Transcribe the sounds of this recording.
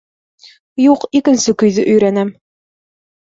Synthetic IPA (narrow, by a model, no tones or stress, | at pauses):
juqikɘ̆nsɘkɵ̆jðɘʔɵ̆jɾænæm